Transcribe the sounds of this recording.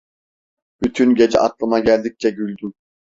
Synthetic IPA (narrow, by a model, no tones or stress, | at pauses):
b̥yt̪ʰynɟed͡ʒɛ̰ʔɑ̰t̪lˠɯmɑɟælʲd̪ik̚t͡ʃʰɛɡylʲd̪ym